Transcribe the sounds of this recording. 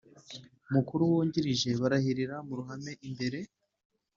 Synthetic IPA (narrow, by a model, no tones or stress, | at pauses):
mukuɾuwuːɲɟiɾiʒe̞βaɾahiɾiɾamuɾuɦame̞ʔimbe̞ɾe̞